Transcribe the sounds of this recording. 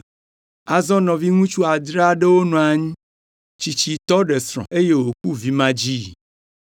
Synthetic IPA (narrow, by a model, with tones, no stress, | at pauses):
a˨zɔ̃˦nɔ̃˨vi˦ŋũ˦t͡ʃu˦a˨d̪ɾa˦ɖe˦wo˦nɔ̃˨a˨ɲĩ˦ | t͡ʃi˨t͡ɕi˨t̪ɔ˦ɖe˨sɾɔ̰̃˨ʔe˦je˦wo˨k̚u˦vi˦mã˦d͡ʑi˦˨